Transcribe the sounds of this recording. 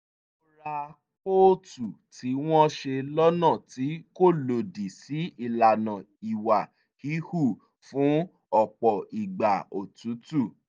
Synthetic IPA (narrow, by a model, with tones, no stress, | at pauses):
o˦ɾa˧ | ko˦tu˨ti˨˦w̃ɔ̃˦ʃe˧lɔ˦nã˦˨ti˨˦ko˦˨lo˨di˨si˨˦i˦˨la˨nã˨ | i˨wa˨ | hi˨˦hu˦˨ | fũ˨˦ | ɔ˦˨k͡pɔ˨i˨ɡ͡ba˨o˨tũ˨˦tu˦˨